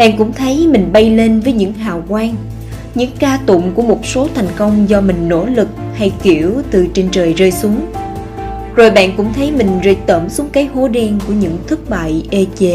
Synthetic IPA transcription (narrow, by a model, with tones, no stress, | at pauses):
ɓa̰ː˧˨nkʊ̰˧˥ŋ͡mt̪ʰə˨˦jmï˨˩ŋ̟ɓa˧jle˧nvəː˨˦jɲɨ̰˧˥ŋɦaː˨˩wkwaː˧ŋ | ɲɨ̰˧˥ŋkaː˧t̪ʊ̰˧˨ŋ͡mku˧˩əmo˨˩t̚so˨˦t̪ʰa˨˩jŋ̟kə˧wŋ͡mzɔ˧mï˨˩ŋ̟no̰˧˥lɨ˨˩k̚ha˧jki˧˩əwt̪ɨ˨˩t͡ɕe˧nt͡ɕəː˨˩jzəː˧jsu˨˦əŋ | zo˨˩jɓa̰ː˧˨nkʊ̰˧˥ŋ͡mt̪ʰə˨˦jmï˨˩ŋ̟zḭ˧˩t̪əː˧˩msu˨˦əŋ͡mkaː˨˦jho˨˦ɗɛ˧nku˧˩əɲɨ̰˧˥ŋt̪ʰɨ˦˥k̚ɓa̰ː˧˨jʔe˧t͡ɕe˨˦